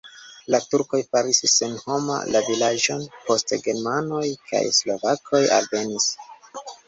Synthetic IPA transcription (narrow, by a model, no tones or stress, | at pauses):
latuɾko̞jpaɾisisenho̞ma̰lavilad͡ʒo̞npo̞stḛɡe̞ɾmano̞jkʰa̰jslo̞vakʰo̞ja̰lve̞nis